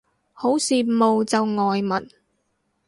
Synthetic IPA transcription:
ho˨˥wsiː˨mo˨wt͡sɐ˨wŋɔː˨jmɐ˨˩n

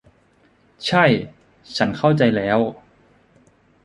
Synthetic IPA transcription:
t͡ɕʰa˥˩j | t͡ɕʰa˦˥nkʰa˥˩wt͡ɕa˧jlɛː˦˥w

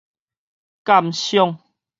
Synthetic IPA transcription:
ka˦˧˨mɕjɔ˥˧˨ŋ

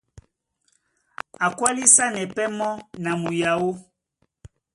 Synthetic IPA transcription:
a˨kwa˦li˦sa˦nɛ˨pɛ˦mɔ˦na˨mu˨ja˨wo˦

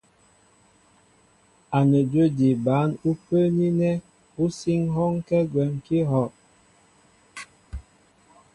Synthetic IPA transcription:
a˨nə˨d͡ʒwə˦di˨ba˨˦nu˦pə˦ni˦nɛ˦ | u˦si˦ŋɦɔ˦ŋkɛ˦ɡwɛ˨mki˦ɦɔ˨ʔ

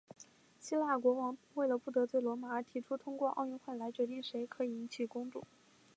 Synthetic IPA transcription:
ɕi˥la˥˩kwɔ˧˥wɑ˧˥ŋwe˥˩ɪlə˩pu˥˩t̪ɤ˧˥t͡swe˥˩ɪlwɔ˧˥ma˧˥ə˧˥t̪ʰi˧˥ʈ͡ʂʰu˥t̪ʰʊ˥ŋkwɔ˥˧ʔɑ˥˧ʊy˥˧nxwe˥˩ɪla˧˥ɪt͡ɕɥɛ˧˥t̪i˥˩ŋʂe˧˥ɪkʰɤ˧˥i˨˩i˧˥nt͡ɕʰi˨˩kʊ˥ŋʈ͡ʂʊ̰˥˩ŋ

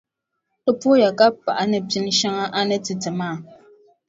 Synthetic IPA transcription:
ə˦po˦ja˨ka˦pːa˨ʔa˦nɨ˨pi˦n˦ʃa˦ŋa˦ʔa˦nɛ˦tɨ˨tɨ˨maː˦˨

